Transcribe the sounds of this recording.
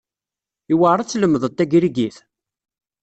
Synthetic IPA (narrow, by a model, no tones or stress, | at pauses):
iwəʕɾˤɑt͡sːləmːəðˤət̪ːæɡɾiɡiθ